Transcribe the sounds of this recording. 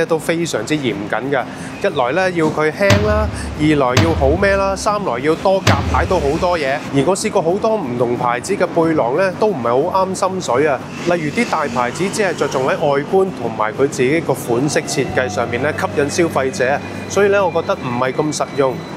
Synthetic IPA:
ɛː˥t̪o˥wfe˥jsœː˨˩ŋt͡siː˥jiː˨˩mkɐ̰˨˥nkɐ˧ | jɐ˥t̚lɔː˨˩jlɛː˥ji˧wkʰɵ˨˧ɥhɛː˥ŋlaː˥ | jiː˨lɔː˨˩jjiː˧wɦo˨˥wmɛː˥laː˥saː˥mlɔː˨˩jːiː˧wt̪ɔː˥ka̰ː˨p̚t̪ʰaː˨˥jt̪o˧who˨˥wt̪ɔː˥jɛː˨˧jiː˨˩ŋɔː˨˧siː˧kɔː˧ɦo˨˥wt̪ɔː˥m̩˨˩t̪ʰʊ˨˩ŋpʰa̰ː˨˩jt͡siː˨˥kɛː˧puː˧jlɔː˨˩ŋlɛː˥t̪o˥wm̩˨˩hɐ˨jho˨˥wʔaː˥msɐ˥msɵ˨˥jɐ˧ | lɐ˨jyː˨t̪iː˥t̪aː˨jpʰaː˨˩jt͡siː˨˥t͡siː˨˥hɐ˨˩jt͡sɔː˨k̚t͡sʊ˨ŋhɐ˨˥jʔɔː˨jkuː˥nt̪ʰʊ˨˩ŋma̰ː˨˩jkʰɵ˨˧ɥt͡siː˨ke˨˥jkɔː˧fuː˨˥nsɪ˥k̚t͡sʰi˧t̚kɐ˧jsœː˨˧ŋpiː˨nlɛ˥kʰɐ˥p̚jɐ˨˧˥nsiː˥wfɐ˧jt͡sɛː˨˥ | sɔː˨˥jiː˧lɛː˥ŋɔː˨˧kɔː˧k̚t̪ɐ˥k̚m̩˨˩hɐ˨jkɐ˧msɐ˨t̚jʊ˧ŋ

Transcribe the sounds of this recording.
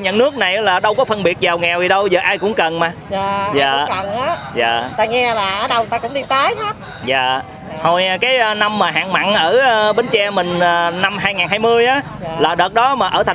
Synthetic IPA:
ɲə̰˧˨nːɨ˦˥ək̚na˨˩jʔlaː˨˩ɗə˧wkɔ˨˦fə˧nɓi˨˩ət̚zaː˨˩wŋɛ˨˩wvi˨˩ɗə˧wzəː˨˩ʔaː˧jkʊ̰˧˥ŋ͡mkə˨˩nmaː˨˩aː˨˩zaː˧˨˧knaː˨˦ | za̰ː˧˨˩t̪aː˧ŋɛ˧laː˨˩ʔəː˨˧˦ɗə˧wt̪aː˧kʊ̰˧˥ŋ͡mɗi˧t̪əː˨˦jɦaː˨˦˥t̚ | za̰ː˨ | ho˨˩jkaː˨˦jːna˧mːaː˨˩ɦa̰ː˧˨ŋma̰ː˧˨nʔəː˧˩˧ɓe˧˩nt͡ɕɛ˧mï˨˩ŋ̟ə˨˩na˧mɦaː˧jŋaː˨˩nɦaː˧jmɨ˧əjʔaː˨˦ | laː˨˩ɗəː˨˩t̚ɗɔ˨˦maː˨˩ʔəː˧˩t̪ʰa˨

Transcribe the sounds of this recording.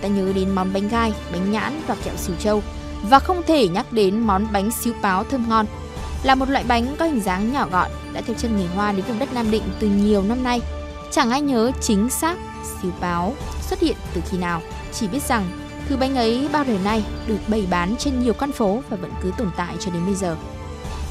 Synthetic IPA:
t̪aː˧ɲəː˨˦ɗe˨˦nmɔ˨˦nɓa˨˦jŋ̟ɣaː˧jɓa˨˦jŋ̟ɲa̰ː˧˥nvaː˨˩t͡ɕɛ̰˧˨wsi˨˧˩wt͡ɕə˧w | vaː˨˩xə˧wŋ͡mt̪ʰe˧˩ɲa˦˥k̚ɗe˨˦nmɔ˨˦nɓa˨˦jŋ̟si˨˦wpaː˨˦wt̪ʰəː˧mŋɔ˧n | laː˨˩mo˨˩t̚la̰ː˧˨jɓa˨˦jŋ̟kɔ˨˦hi˨˧˩ŋ̟zaː˨˦ŋɲɔ˧˩ɣɔ̰˧˨jɗa̰ː˧˥t̪ɨ˨˩t͡ɕə˧nŋi˨˩nɦwaː˧ɗe˨˦nk̚ɗə˦˥t̚naː˧mɗḭ̈˧˨ŋ̟t̪ɨ˨˩ɲi˨˩əwna˧mna˧j | t͡ɕa˧˩ŋʔa˧jɲəː˨˦t͡ɕï˨˦ŋ̟saː˦˥k̚ | si˨˦wpaː˨˦wswə˦˥t̚hḭ˧˨ənt̪ɨ˨˩xi˧naː˨˩w | t͡ɕi˧˩ɓi˦˥ət̚za˨˩ŋ | t̪ʰɨ˨˩ɓa˨˦jŋ̟ʔə˨˦jɓaː˧wɗəː˨˩jna˧jɗɨ˨˩ək̚ɓə˧˩jɓaː˨˦nt͡ɕe˧nɲi˨˩əwka˧nfo˨˦vaː˨˩və̰˧˥nkɨ˨˦t̪o˧˩nt̪a̰ː˧˨jt͡ɕɔ˧ɗe˨˦nɓə˧jzəː˨˩

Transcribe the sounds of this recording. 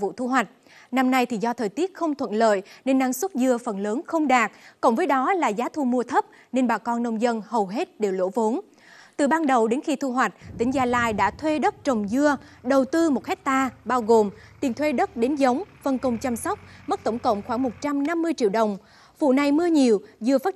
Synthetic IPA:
vṵ˧˨t̪ʰu˧ɦwa˨˩jk̟̚ | na˧mna˧jt̪ʰi˨˩zɔ˧t̪ʰəː˨˩jt̪i˦˥ət̚xə˧wŋ͡mt̪ʰwə̰˧˨nlə̰ː˧˨jne˧nːa˧˩ŋswə˦˥t̚zɨ˧əfə˨˩nləː˨˦nxə˧wŋ͡mɗaː˨˩k̚kṵ˧˩ŋ͡mvəː˨˦jɗɔ˨˦la̰ː˨˩zaː˨˦t̪ʰu˧mu˧ət̪ʰə˦˥p̚ | ne˧nɓaː˨˩kɔ˧nːə˧wŋ͡mzə˧nhə˨˩wɦe˦˥t̚ɗe˨˩wlo̰˧˥vo˨˦n | t̪ɨ˨˩ɓaː˧nɗə˨˩wɗe˨˦nxi˧t̪ʰu˧ɦwa˨˩jk̟̚t̪ï˧˩ŋ̟zaː˧˩la̰ː˧˨jɗa̰ː˧˥t̪ʰwe˧ɗə˦˥t̚t͡ɕə˨˩wŋ͡mzɨ˧əɗə˨˩wt̪ɨ˧mo˨˩t̚hɛ˦˥k̚t̪aː˧ɓaː˧wɣo˨˩mt̪i˨˩nt̪ʰwe˧ɗə˦˥t̚ɗe˨˦nzə˨˦wŋ͡mfə˧˩nkə˧wŋ͡mt͡ɕa˧msə˦˥wk͡p̚mə˦˥t̚t̪ə˧˩wŋ͡mkə̰˧˨wŋ͡mxwaː˧˩ŋmo˨˩t̚t͡ɕa˧mna˧mːɨ˧əjt͡ɕḭ˧˨əwɗə˨˩wŋ͡m | vṵ˧˨na˨˩jmɨ˧əɲi˨˩əwzɨ˧əfaː˦˥

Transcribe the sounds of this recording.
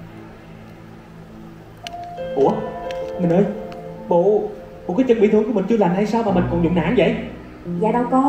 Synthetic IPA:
ɓṵ˧˩əmï̟˨˩ʔəː˧jɓo̰˧˨ | ɓo̰˧˨kaː˨˦jt͡ɕə˨˩ɓi˧˩t̪ɨ˨˧˩ŋkmï˨˩ŋt͡ɕɨ˧əlaː˨˩mha˧jsaː˧wmaː˨˩mï˨˩ŋ̟kɔ˨˩nzʊ̰˧˨ŋ͡mna̰ː˧˥˦nvə̰˧˨j | zaː˨ɗə˧wkɔ˨˦

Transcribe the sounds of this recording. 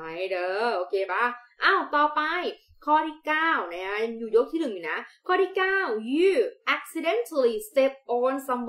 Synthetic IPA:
a˨˧˩jdɤː˧˩ʔoː˧kʰeː˧ba˦˥˩ʔa˧˩wt̪ɔː˨˩pa˧j | kʰɔː˧tiː˧˥˩kaː˥˩wna˦˧˥kʰa˦˥ja˧juː˨˩joː˦˥k̚t̪ʰiː˥˩nɯ˨˩ŋjuː˨˩na˦˥kʰɔː˧t̪ʰiː˥˩kaː˥˩wjɯː˧˥˩ʔɛ˧k̚si˧de˧˥˨nt̪ʰa˧li˧˩st̪e˦˥p̚ʔɔː˧nsa˧˦mb

